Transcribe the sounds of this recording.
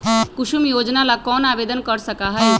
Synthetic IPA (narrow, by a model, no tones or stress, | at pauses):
kuʃumjod͡ʒnalakɔːnabed̪ənkəɾsəkaɦəj